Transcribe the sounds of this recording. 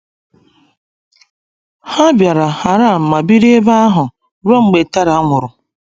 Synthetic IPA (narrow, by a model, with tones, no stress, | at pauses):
ha˦bja˨ɾa˨ha˨ɾa˦˨m̩˨ma˨bi˦ɾi˦e˦ba˦a˦ɦʊ˨ | ɾo˦ŋ͡m̩˨ɡ͡be˨ta˦ɾa˨a˦ŋʷʊ˨ɾʊ˨